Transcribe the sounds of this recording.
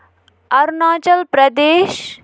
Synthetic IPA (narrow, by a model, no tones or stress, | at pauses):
ɐɾnaːt͡ʃəlpɾəd̪eːʃ